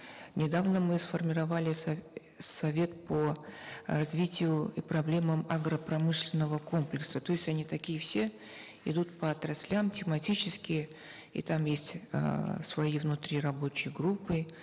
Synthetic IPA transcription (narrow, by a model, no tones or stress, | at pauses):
nʲɪd̪avnəmɨsfərmʲɪɾɐvalʲɪs | sɐvʲe̞t̪pə | rɐzvʲitʲɪjʊipɾɐblʲe̞məmɐɡɾəpɾɐmɨʂlʲɪnːəvəko̞mplʲɪksət̪o̞ɪsʲtʲɐnʲit̪ɐkʲijəfsʲe̞ | ɪ̰d̪ut̪pəɐt̪ɾɐsʲlʲamtʲɪmɐtʲit͡ɕɪskʲɪjə | ḭt̪amjesʲtʲə̰svɐivnʊt̪ɾʲirɐbo̞t͡ɕɪjɡɾupːɨ